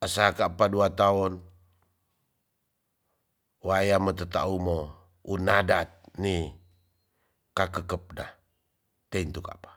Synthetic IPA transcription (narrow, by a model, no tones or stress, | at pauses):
ʔəsakaʔpaduat̪aɔn | wajamət̪ət̪a̰umo | unadat̪̚ni | kakəkəp̚na̰ | t̪eint̪uka̰pḁ